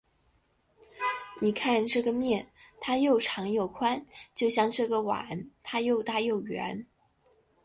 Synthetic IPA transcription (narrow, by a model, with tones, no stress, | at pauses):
ni˨˩kʰa˥˧nʈ͡ʂɤ˥˩ɡə˩mjɛ˥˩nt̪ʰa˥jo˥˩ʊʈ͡ʂʰɑ˧˥ŋjo˨˩ʊkʰwa˥nt͡ɕjo˥˧ʊɕjɑ˥˧ŋʈ͡ʂɤ˥˩ɡə˩wa̰˨˩˦nt̪ʰa˥jo˥˧ʊt̪a˥˧jo˥˩ʊɥɛ̰˧˥n